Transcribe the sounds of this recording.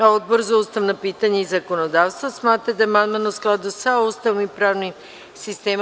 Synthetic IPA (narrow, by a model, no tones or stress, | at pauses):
aod̪̚boɾzaust̪avnapit̪aɲɛizakonod̪afst̪vasmat̪ad̪aɛmanmanosklˠad̪usaust̪avnipɾavni | sist̪ɛm